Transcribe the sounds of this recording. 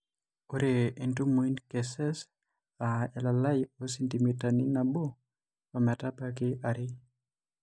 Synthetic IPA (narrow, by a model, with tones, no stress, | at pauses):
o˦ɾe˨i˨ntu˦mo˨i˦nke˨sɛ˦s | aɛ˨la˨la˦jo˦si˦nti˨mi˨ta˨ni˦na˨bo˦ | ɔ˨mɛ˨ta˦pa˦kɪ˦ʔaɾɪ˦